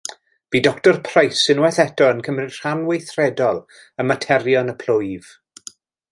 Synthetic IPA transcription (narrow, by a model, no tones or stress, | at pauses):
b̥iːdɔktɔrpʰrajsɪnwɛθɛtɔənkʰəmrɪ̥r̥anwejθrɛdɔlˠ | əmatʰɛrjɔnəpʰlʊjv̥